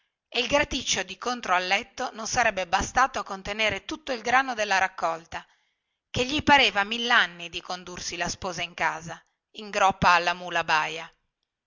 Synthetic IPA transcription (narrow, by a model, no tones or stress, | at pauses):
eilɡɾat̪it͡ʃːod̪ikont̪ɾoalːɛt̪ːononsaɾɛbːebast̪aːt̪oakːont̪eneːɾet̪ut̪ːoilɡɾaːnod̪elːaɾakːɔlt̪a | keʎːipaɾeːvamilːanːid̪ikond̪ursilaspɔːzaiŋkaːza | iŋɡɾɔpːaːlːamuːlabaːja